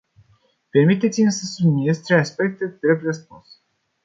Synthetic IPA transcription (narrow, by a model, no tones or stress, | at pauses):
pe̞rmit̪et̪simsəsubininest̪ɾeaspe̞k̚t̪ed̪ɾe̞b̪rəspuns